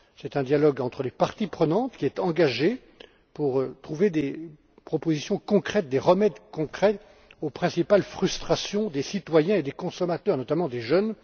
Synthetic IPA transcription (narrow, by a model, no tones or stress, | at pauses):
sɛt̪ɛ̃d̪jalɔɡɑ̃t̪χəlepaʁt̪ipχənɑ̃t̪kʲiɛt̪ɑ̃ɡaʒe | puʁt̪χuved̪e | pχɔpozisjɔ̃kɔ̃kχɛt̪̚d̪eʁəmɛd̪kɔ̃kχɛ | opχɛ̃sipalfχyst̪χasjɔ̃d̪esit̪wajɛ̃ed̪ekɔ̃sɔmat̪œːʁnɔt̪amɑ̃d̪eʒœn